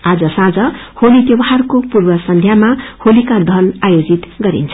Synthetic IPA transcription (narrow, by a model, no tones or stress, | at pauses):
ad͡zʌsãd͡zʌholit̪jʌwaɦarkopurwʌsʌnd̪ʱjamaholikad̪ʱʌnajod͡zit̪ɡʌɾḭnt͡sʰ